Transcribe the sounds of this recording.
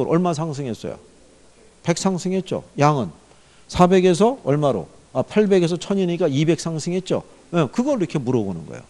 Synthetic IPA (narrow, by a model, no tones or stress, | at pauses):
ʌɾʌɭmas̬ʰaŋs̬ʰɯŋɦe̞s͈ʌ̰jo̰ | pe̞k̚s͈ʰaŋsʰɯŋɦe̞t̚t͡ɕ͈o̰jaŋɯn | sʰabe̞ɡe̞s̬ʰʌʌɭmaɾo̰ | apʰaɭbe̞ɡe̞s̬ʰʌt͡ɕʰʌɲiɲik͈aibe̞k̚s͈ʰaŋsʰɯŋɦe̞t̚t͡ɕ͈o̰ | ekɯɡʌɾɯɾikʰe̞muɾʌbonɯnɡʌ̰jo̰